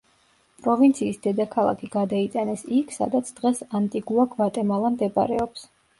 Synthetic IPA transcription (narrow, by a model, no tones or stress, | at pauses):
pʼɾɔvint̪sʰiːsd̪ɛd̪akʰalˠa̰kʰiɡ̥ad̪ait̪ʼanɛsikʰsa̰d̪at̪sʰd̪̥ʁɛsant̪ʼiɡuakʰvat̪ʼɛmalˠamd̪ɛba̰ɾɛɔps